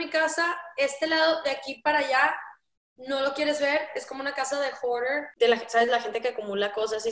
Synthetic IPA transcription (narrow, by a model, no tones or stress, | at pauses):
mikasae̞st̪e̞lað̞o̞ðeakipaɾaʝa | no̞lo̞kje̞ɾe̞zβe̞ɾe̞skomounakasað̞e̞xoɾeɾd̪elaxesaβzðelaxe̞nt̪e̞keakumulako̞s̬asi